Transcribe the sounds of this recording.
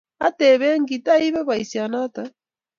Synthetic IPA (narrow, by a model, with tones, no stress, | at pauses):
a˦tɛ˨βɛ˦ŋɡi˨ta˦i˦βɛ˦βa˨i˨sja˨na˦ta˦